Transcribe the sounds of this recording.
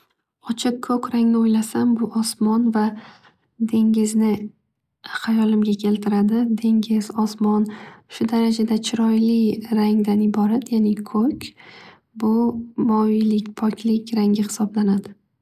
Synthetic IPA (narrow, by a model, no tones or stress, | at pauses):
ɒt͡ʃʰɪq̚kʰːɵkʲɾaŋnɪojlasambʊʔɒsmɒnva | d̪e̞ŋʲɪznɪ | χajɒlɪmɡʲakʲʰe̞lt̪ʰɪɾad̪ɪd̪e̞ŋʲɪz̥ɒsmɒnʃʊd̪aɾad͡ʒad̪at͡ʃʰɪɾɒjlɪɾaŋd̪anɪbɒɾat̪janɪkʰɵkʲ | bʊbɒlɪkʲpʰɒkʲʰlɪkʲɾaŋɡʲɪhɪ̥sɒblanad̪ɪ